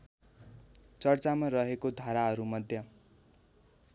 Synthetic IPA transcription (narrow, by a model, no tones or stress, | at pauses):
t͡sʌrt͡samarʌɦekod̪ʱaɾaɦʌɾumʌd̪ʱjʌ